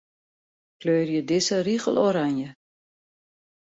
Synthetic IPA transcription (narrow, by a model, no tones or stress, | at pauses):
kløːrjədɪsəriɣəlˠoɾanjə